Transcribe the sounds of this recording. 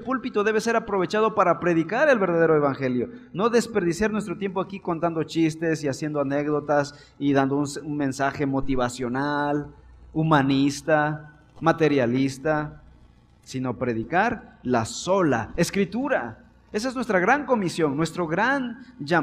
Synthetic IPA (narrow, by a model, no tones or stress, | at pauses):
pulpit̪o̞ðe̞βese̞ɾapɾo̞β̞et͡ʃað̞o̞paɾapɾe̞ðikaɾe̞lβeɾðaðeɾoeβaŋxeljo̞no̞ðe̞spe̞ɾðisjaɾnwes̬t̪ɾo̞t̪je̞mpoakiko̞nt̪and̪o̞t͡ʃist̪esiasje̞nd̪oanekðo̞t̪as | iðand̪ounsunme̞nsaxe̞mo̞t̪iβasjo̞nalumanist̪a | mat̪e̞ɾjalist̪a | sino̞pɾe̞ðikaɾlaso̞la̰eskɾit̪uɾa | e̞s̬aeznwest̪ɾaɣɾaŋko̞misjo̞ŋnwe̞st̪ɾo̞ɣɾand͡ʒa